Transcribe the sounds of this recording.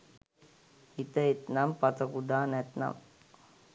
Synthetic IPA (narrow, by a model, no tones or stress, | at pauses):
it̪ɐet̪nampɐt̪ɐkud̪aːnɛt̪na̰m